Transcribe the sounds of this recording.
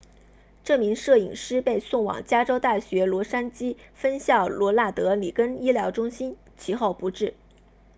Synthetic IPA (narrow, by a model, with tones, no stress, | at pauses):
ʈ͡ʂɤ˥˩mi˧˥ŋʂɤ˥˩ḭ˨˩ŋʂɻ̩˥pe˥˧ɪsʊ˥˩ŋwɑ̰˨˩ŋt͡ɕja˥ʈ͡ʂo˥ʊt̪a˥˩ɕɥɛ˧˥lwɔ˧˥ʂa˥nt͡ɕi˥fə˥nɕjɑ˥˩ʊlwɔ˧˥la˥˩t̪ɤ˧˥li˨˩kə˥ni˥ljɑ˧˥ʊʈ͡ʂʊ˥ŋɕi˥n | t͡ɕʰi˧˥xo˥˩ʊpu˧˥ʈ͡ʂɻ̩˥˩